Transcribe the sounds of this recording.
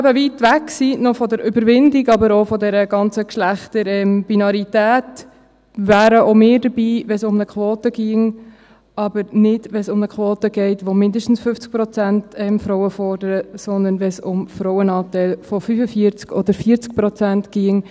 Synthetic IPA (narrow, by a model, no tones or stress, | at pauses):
æbəvitʋæksinɔfɔd̪əɾʏbəɾʋɪndiɡɑbəɾofɔd̪ɛɾəɡ̥ɑnt͡səkʃlæχtəɾɛmb̥inɑɾitæːt | ʋæːɾəʔomɪːɾdəɾbiːʋɛnsʊmnəkʰʋoːtəɡ̥iːəŋ | ɑbəɾnɪdʋɛnsʊmnəkʰʋoːt̪əɡ̥ɛɪt̪ʋomɪndəʃtn̩sfʏft͡sk̚pɾɔt͡sæntɛmfɾɔʊwəfɔrdəɾəsɔnd̪ənʋɛsʊmfɾɔʊənɑːt̪ɛɪlfɔfyfəfiːəɾt͡skʰɔd̪əɾfiəɾt͡sk̚pɾɔt͡sæntɡ̥iəŋ